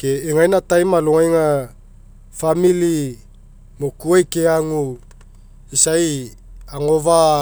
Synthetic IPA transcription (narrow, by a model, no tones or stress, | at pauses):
keiŋajnatajmaloŋajŋa | famili | mokuajkeaŋu | isaj | aŋova